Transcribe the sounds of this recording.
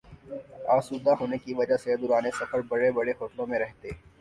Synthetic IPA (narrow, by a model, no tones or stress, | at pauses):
aːsuːd̪aɦoːnekiʋɐd͡ʒased̪ʊɾaːnesɐfəɾbɐɽebɐɽexoːʈ̪lõmẽɾɛɦt̪eː